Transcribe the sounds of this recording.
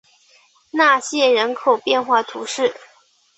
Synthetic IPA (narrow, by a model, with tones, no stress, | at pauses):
na˥˩ɕjɛ˥˩ɻə˧˥nkʰo˨˩ʊpjɛ˥˧nxwa˥˩t̪ʰṵ˧˥ʂɻ̩˥˩